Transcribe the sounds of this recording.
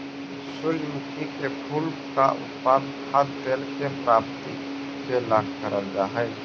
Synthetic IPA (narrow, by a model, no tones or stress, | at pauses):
sʊljukikepʰulpkaʔʊ̰t̪paːnkʰaːd̪peːlsepɾaːpt̪i | selaːɡkəɾəld͡ʒaːɦɛː